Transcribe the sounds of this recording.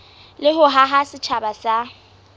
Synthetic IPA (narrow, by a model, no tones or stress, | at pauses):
lɪɦʊɦaɦasɪt͡ʃʰabasa